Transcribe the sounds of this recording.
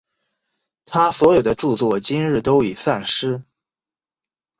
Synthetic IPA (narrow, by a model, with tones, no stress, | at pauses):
t̪ʰa˥swɔ˧˥jo˨˩ʊd̪ə˦ʈ͡ʂu˥˧t͡swɔ˥˨˩t͡ɕi˥nɻɻ̩˥˩t̪o˥ʊi˨˩sa˥˩nʂɻ̩˥